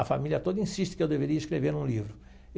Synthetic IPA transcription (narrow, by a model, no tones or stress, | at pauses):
ɐfamilʲiɐt̪od̪ɐĩsiʃt̪ɪ̥kɪewd̪eveɾiɐiʃkɾeveɾnũlivɾʊ